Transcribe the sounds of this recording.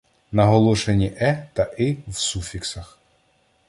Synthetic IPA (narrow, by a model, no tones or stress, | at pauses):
nɐɦɔlˠɔʃenʲiʔɛt̪ɐʔɪwsufʲiksɐx